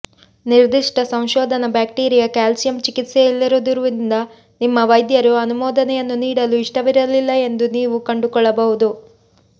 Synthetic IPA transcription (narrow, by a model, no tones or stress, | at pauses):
niɾd̪iʂʈɐsɐ̃w̃ʃɔːd̪ʱɐnɐbaːk̚ʈiːɾijɐkaːlsijɐmt͡ʃikit̪sejilːiɾud̪uɾuʋind̪ɐ | nimːɐʋɐjd̪jɐɾuɐnumɔːd̪ɐnɛjɐnːuniːɽɐluiʂʈɐʋiɾɐlilːɐe̞nd̪uniːʋukɐɳɖukɔɭːɐbɐɦud̪u